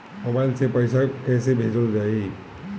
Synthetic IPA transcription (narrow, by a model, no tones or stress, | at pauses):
obansepəɪsakɛːsebʱeːd͡ʒəld͡ʒai